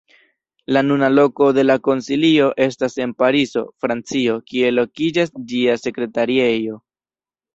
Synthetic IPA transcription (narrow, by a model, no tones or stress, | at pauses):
lanunalo̞ko̞de̞lako̞nsilio̞ʔe̞stase̞npaɾizo̞̰fɾant͡sio̞kie̞lo̞kid͡ʒasd͡ʒiase̞kɾe̞taɾiejo̞